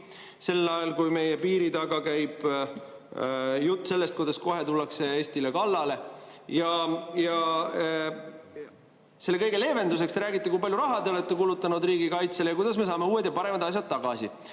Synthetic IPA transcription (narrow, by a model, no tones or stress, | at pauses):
se̞lːɑjɑlkujme̞jepiːɾit̪ɑɡɑkæjb̥ | jut̪ːˑse̞lːe̞st̪̚kujd̪ɑsko̞ɦe̞t̪ulːɑkse̞eːsʲt̪ilekɑlːɑle̞jɑjɑ | se̞lːekɤjɡe̞le̞ːve̞nd̪usekst̪eɾæːɡit̪ːˑekuijpɑlʲjuɾɑɦɑt̪eolet̪ːˑekulut̪ːˑɑnud̪riːɡikɑjt̪selejɑkujd̪̥ɑsme̞sɑːme̞uːe̞d̪jɑpɑɾe̞mɑd̪̥ɑs̬ʲjɑd̪̥̚t̪ːɑɡ̥ɑsḭ